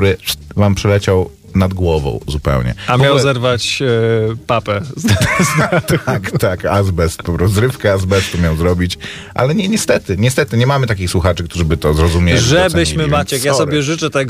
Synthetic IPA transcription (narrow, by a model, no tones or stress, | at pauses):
ɾɘvampʂɛlɛt͡ɕaw | nad̪ɡwɔvɔ̰̃w̃zupɛ̰wɲɛ̰amjawzɛɾvat͡ɕ | papɛzd̪d̪azt̪akt̪akazbɛspɔɾɔzɾɘfkɛazbɛst̪ɔmʲjawzɾɔbʲit͡ɕ | ʔa̰lɛɲɛɲɛst̪ɛt̪ɘɲɛst̪ɛt̪ɘɲɛmamɘt̪akʲixswuxat͡ʂɘk̚t̪uʐɘbɘt̪ɔzɾɔzumʲjelʐiɛbɘɕmɘmat͡ɕɛkjasɔbʲjɛʐɘt͡ʂɛt̪ɛɡ